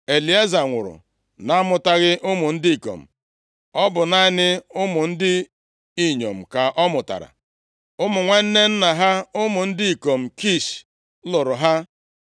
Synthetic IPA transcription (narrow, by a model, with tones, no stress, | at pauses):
e˨li˨a˦za˨ŋʷʊ̰˨ɾʊ̰˨ | na˦mʊ˨ta˦ɣɪ˦ʔʊ˦mʊ˨n̩˦di˦i˨ko̰˨m̩˨ | ɔ˦bʊ˨na˦nɪ˦ʊ˦mʊ˨n̩˦dɪ˦ | i˦˨ɲo̰˨m̩˨ka˨ʔɔ˦mʊ˨ta̰˨ɾa̰˨ | ʊ˦mʊ˨ŋʷe˦n̩˦ne˦n̩˦na˨ɦa˦ʊ˦mʊ˨n̩˦dɪ˦i˨ko˨m̩˨ki˦˨ʃ | lʊ˨ɾʊ˨ɦa˦